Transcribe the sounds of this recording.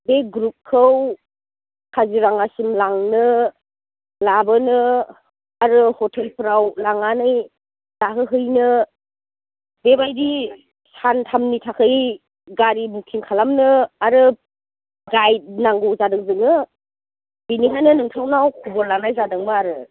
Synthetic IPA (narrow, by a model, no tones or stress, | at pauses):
beɡɾup̚kʰɯw | kʰaziɾaŋasimlaŋnɯ | labɯnɯ | aɾɯhɔtʰelpʰɾawlaŋanɯj | laɦɯɦɯjnɯ | bebajdi | santʰamnitʰakʰɯj | ɡaɾimukʰiŋkʰalamnɯaɾɯ | ɡajt̚naŋɡɯwzadɯŋzɯŋɯ | biniɦajnɯnɯŋtʰawnawkʰubɔɾlanajzadɯŋmɯaɾɯ